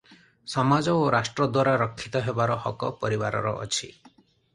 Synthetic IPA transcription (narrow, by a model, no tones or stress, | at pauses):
sɔmad͡ʒɔoɾasʈɾɔd̪waɾaɾɔkʰːit̪ɔɦebaɾɔhɔkɔpɔɾiba̰ɾɔ̰ɾɔ̰ʔːt͡ʃʰi